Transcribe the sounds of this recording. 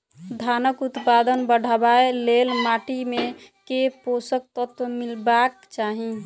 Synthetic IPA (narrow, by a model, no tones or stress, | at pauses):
d̪ʱaːnəkut̪pad̪ənbəɽ̤ʱabaelelmaːʈimẽkeposək̚t̪ət̪wəmɪlbak | t͡ʃaːɦi